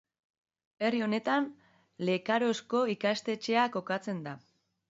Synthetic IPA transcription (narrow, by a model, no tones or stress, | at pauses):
e̞rio̞ne̞t̪an | le̞kaɾo̞sko̞ikast̪e̞t͡ʃe̞ako̞kat͡se̞nd̪a